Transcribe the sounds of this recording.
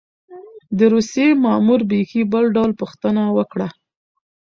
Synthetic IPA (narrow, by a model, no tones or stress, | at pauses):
d̪əɾusjemɑmuɾbexibəlɖawlpuxt̪ənawəkɽa